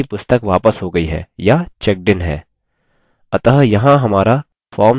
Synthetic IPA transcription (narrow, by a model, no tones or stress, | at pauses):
ipʊst̪əkʋaːpəsɦoːɡɐiɦɛ̰ːjat͡ʃɛk̚ɖɪnɦɛ̰ː | ɐt̪əɦjɐɦãɦɐmaːɾa | fʰɔːɾm